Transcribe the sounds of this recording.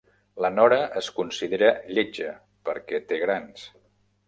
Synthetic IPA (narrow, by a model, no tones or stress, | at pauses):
lənɔɾəʔəskunsið̞eɾəʎed͡ʒə | pəɾkɛt̪eɣɾans